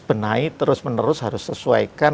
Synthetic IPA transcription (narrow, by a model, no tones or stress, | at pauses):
b̥ənait̪əɾʊsmənəɾʊsɦaɾʊsːəsua̰ika